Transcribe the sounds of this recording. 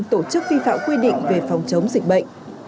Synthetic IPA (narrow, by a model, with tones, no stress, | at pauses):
ŋt̪o˧˩t͡ɕɨ˦˥k̚vi˧fa̰ː˧˨ŋ͡mkwi˧ɗḭ˧˨ŋ̟ve˨˩fa˨˩wŋ͡mt͡ɕə˨˦wŋ͡mzi˨˩k̟̚ɓə̰˧˨jŋ̟